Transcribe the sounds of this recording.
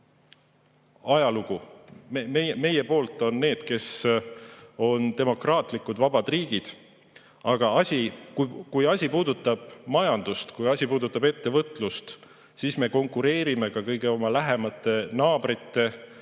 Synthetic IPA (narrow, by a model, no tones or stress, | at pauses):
ɑjɑluɡ̥umememe̞je̞po̞ːlt̪ːˑo̞nːe̞ːd̪̥ke̞s | o̞nt̪e̞mo̞krɑːt̪ˑlikːˑud̪̥vɑb̥ɑd̪̥riːɡ̥id̪̥ | ɑɡ̥ɑɑsʲikukujɑsʲipuːd̪ut̪ːˑɑb̥mɑjɑnd̪̥ust̪kujɑsʲipuːd̪ut̪ːˑɑbe̞t̪ːe̞vɤt̪ˑlust̪ | sisme̞ko̞ŋkuɾe̞ːɾime̞kɑkɤjɡe̞o̞mɑlæɦe̞mɑt̪ːˑe̞nɑːb̥rit̪ːe̞